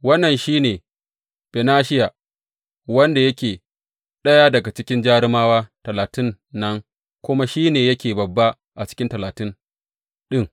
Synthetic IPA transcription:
wɐ˦nːɐ˨nʃiː˦neː˨ | b̥ɛ˨naː˦ʃɪ˦ja˨ | wɐ˦nda˨jɐ˦kʲeː˨ | ɗɐ˦ja˦dɐ˨ɡa˨t͡ʃɪ˦kʲɪ˦nd͡ʒaː˦ɽɪ˦maː˦waː˦tɐ˨laː˨tɪ˦nː | ɐ˦ŋ | kʷʊ˦ma˦ʃiː˦neː˨jɐ˦kʲeː˨bɐ˨bːa˦ | ʔa˨t͡ʃɪ̥˦kʲɪ˦ntɐ˨laː˨tɪ˦n | ɗɪ˦ŋ

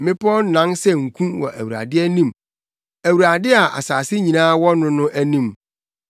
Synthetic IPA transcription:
mɪ̃˦pʰɔ˦n̩˦nã˦nsɛ˦ŋ̩˨kʰũ˦wɔ̰˨ʔæ̰˨wu˨ɾa̰˨dɪ˦ɛ˦nĩ˦m | æ˨wu˨ɾa˨dɪ˦a˨ʔa̰˨saː˨sɪ˦ɲĩ˨nãː˦wɔ˦nʊ̃˦nʊ̃˦ʔæ˦nĩ˦˨m

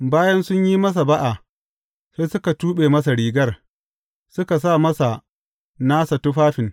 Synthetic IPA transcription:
baː˦jɐ˦nsʊ˦ɲjiː˦mɐ˦s̬a˨ba˦ʔa˨ | seː˦sʊ˦ka˨tuː˦ɓeː˨mɐ˦s̬a˨ɽiː˨ɡɐ˦r | sʊ˦ka˨s̬aː˦˨mɐ˦sa˨ | naː˦sa˨tʊ˦ɸaː˦ɸɪ˨n

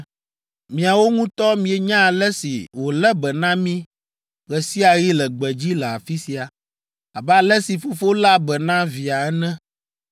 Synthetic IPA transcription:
mĩ˨a˨wo˦ŋũ˦t̪ɔ˦mĩ˨ɛ˨ɲã˦˨lɛ˦sḭ˨wo˨lɛ˦bɛ˨nã˦mĩ˦ | ɣɛ˨si˦a˨ɣi˦lɛ˨ɡ͡bɛ˨d͡ʑi˦lɛ˨a̰˨fi˦si˨a˨ | a˨bɛ˦a˨lɛ˦si˨fo˦fo˦la˦bɛ˨nã˦vi˨a˨ɛ˦nɛ̃˦

